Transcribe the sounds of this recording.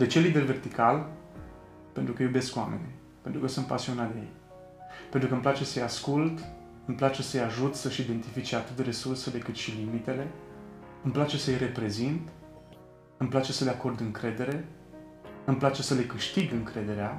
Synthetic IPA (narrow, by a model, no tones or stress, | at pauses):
d̪et͡ʃelːid̪e̞lve̞rt̪ikal | pe̞nt̪ɾukəjube̞skwamḛnḭ | pent̪ɾukəsunt̪pa̰sionat̪d̪ejḛj | pent̪ɾukəɨmplat͡ʃe̞səjaskult̪ | ɨmplat͡ʃe̞səɨjaʒut̪səʃid̪e̞nt̪ifit͡ʃe̞at̪ɨt̪re̞surse̞le̞kɨt̪ʃilimit̪e̞le̞ | ɨmplat͡ʃe̞səɨjre̞pɾe̞zint̪ | ɨmplat͡ʃe̞səle̞ako̞rd̪ɨŋkɾe̞d̪e̞ɾe̞ | ɨmplat͡ʃe̞səle̞kɨʃt̪iɡɨŋkɾe̞d̪e̞ɾea